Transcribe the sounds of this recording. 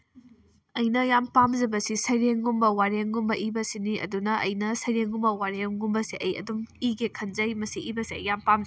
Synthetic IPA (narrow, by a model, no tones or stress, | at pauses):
ɐjnɐjampamzɐbɐsisɐjɾeŋɡumbɐwaɾeŋɡumbɐʔibɐsiniʔɐ̰dunɐʔɐ̰jnɐsɐjɾeŋɡumbɐwaɾeŋɡumbɐsiʔɐjɐ̰dumiɡekʰɐnzɐjmɐsiʔibɐsiɐ̰jːampamz